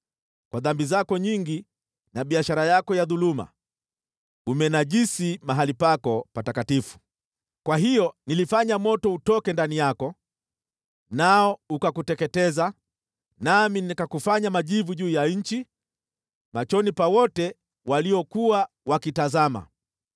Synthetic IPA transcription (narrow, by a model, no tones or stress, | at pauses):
kwaðambizakɔɲiŋɡi | naɓiaʃaɾajakɔjaðuluma̰ | umɛnaʄisimaɦalipakɔpatakatifu̥ | kwaɦijɔnilifaɲamɔtɔutɔkɛndanijakɔ | naɔukakutɛkɛtɛza | naminikakufaɲamaʄivuʄuːjaɲ̩t͡ʃi | mat͡ʃɔnipawɔtɛ | waliɔkuwa | wakitazama̰